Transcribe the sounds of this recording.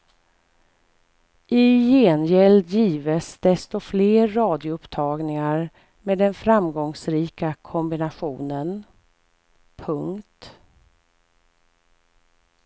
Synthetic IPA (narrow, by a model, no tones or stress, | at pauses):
ʔɪjeːnjɛld̪jiːvəsd̪ɛst̪ɔfleːɾːɑːd̪ɪʊɵpt̪ʰɑːɡnɪŋaɾ | meːd̪ɛnfɾamɡɔŋsɾiːkakʰɔmbɪnaɧuːnən | pʰɵŋkt̪